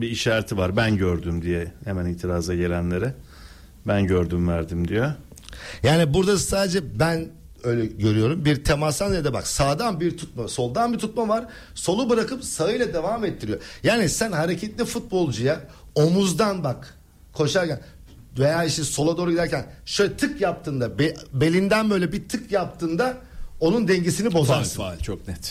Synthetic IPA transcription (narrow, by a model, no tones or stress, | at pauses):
biːʃaːɾat̪ʰivaɾbænɟøɾd̪ymd̪ijɛhemænilːt̪ʰiɾaːzaɟe̞lʲænlʲe̞ɾɪ | bænɟøɾd̪ymvæɾd̪imd̪ijo | jaːnibuɾd̪asaːd̪ed͡ʒɛbæn | ø̞jlʲɛɟø̞ɾyjo̞ɾumbiɾt̪ʰe̞mast̪anjad̪abaksaːd̪anbiɾt̪ʰut̪̚maso̞lˠd̪anbit̪ʰut̪mavaɾ̥ | so̞lˠubɯɾakɯpsaɯjlʲˠad̪e̞vaːmet̪ʰːiɾijo̞jaːnisænɦaɾecʰɛt̪lʲifut̪̚bo̞lˠd͡ʒuja | o̞muzd̪anbak | kʰo̞ʃaɾcæn | ve̞jaːiʃt̪ɛso̞lˠad̪o̞ːɾuɡɟid̪æɾcʰænʃøjlʲɛt̪ʰɯkjap̚t̪ʰɯːnd̪abebe̞lʲind̪ænbø̞jlʲɛbit̪ʰɯkjap̚t̪ʰɯːnd̪ao̞nund̪ɛɲɟisinibo̞zasɯalʲt͡ʃʰok̚nɛt̪